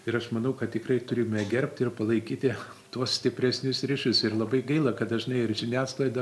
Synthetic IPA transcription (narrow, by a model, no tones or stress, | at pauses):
ɪɾɐʃmɐnɐʊkɐt̪̚t̪ʲɪkrɐɪt̪ʊɾʲɪmʲɛɡʲɛɾʲp̚ʲt̪ʲɪrpɐlˠɐɪkʲiːt̪ʲɪ | t̪uɔssʲt̪ʲɪpʲɾʲæsʲnʲʊsrʲɪʃʲʊsɪrlˠɐbɐɪɡɐɪlˠɐkɐtd̪ɐʒʲɪnɐɪɪrʒʲɪnʲæːslˠɐɪd̪ɐ